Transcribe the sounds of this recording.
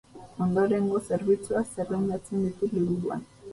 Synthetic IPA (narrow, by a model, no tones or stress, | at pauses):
o̞nd̪oɾe̞ŋɡo̞se̞ɾβit͡suaseɾlend̪at͡send̪it̪uliβuðua̰n